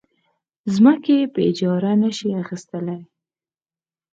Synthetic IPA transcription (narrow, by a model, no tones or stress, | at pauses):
zməkepəɪd͡ʒɑɾanəʃiaxist̪əlaj